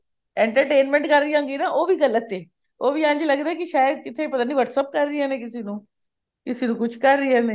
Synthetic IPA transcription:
ɛ̃ːɳʈəɾʈeːnmɛ̃ːɳʈkəɾːijãːŋɡiːnaːʔoːʋiːɡəlːət̪ːeː | oːʋiːãːɲd͡ʒləɡd̪aːɛːkɪʃaːəd̪̚kɪt̪ʰeːpət̪aːniːʋəʈsəp̚kəɾːɪɛːneːkɪseːnũː | kɪseːnũːkʊt͡ʃʰkəɾːiːɛːneː

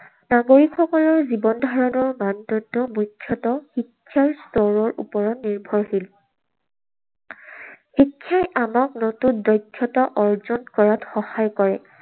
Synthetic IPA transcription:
naɡoɹikxɔkɔlɔɹzibɔndʱaɹɔnɔɹmandɔdɔmujkʰjɔtɔxikʰːjaɹstɔɹɔɹʔṵpɔɹɔtniɹbʱɔɹhil | xikʰːjajʔamak̚notundɔjkʰːjɔtɔʔɔɹzɔnkɔɹatxɔhajkɔɹɛ

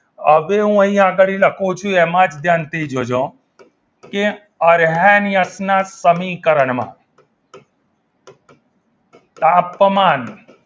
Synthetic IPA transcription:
əʋeɦũəɦĩaɡəɭiləkʰũt͡ʃʰuɛmãd͡ʒd̪ʱjaːnt̪ʰid͡ʒod͡ʒõ | ke | əɾɦanijəsnasəmĩkəɾəɳmã̰ | t̪ãːpmaːn

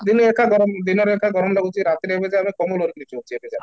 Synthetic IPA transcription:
d̪ineekʰaɡɔɾɔmd̪inɔɾekʰaɡʱɔɾɔmlaɡut͡ʃiɾat̪ɾebed͡ʒaamikɔmulɦoɾit̪nit͡ʃobt͡ʃʰiebed͡ʒa

